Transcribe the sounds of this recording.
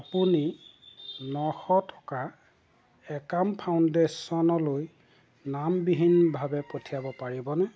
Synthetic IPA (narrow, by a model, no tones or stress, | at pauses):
apuni | nɔxɔtʰɔ̥ka | ɛkampʰawndesɔnɔloj | nambiɦinːbʱabɛpotʰijabɔpaɹibɔnɛ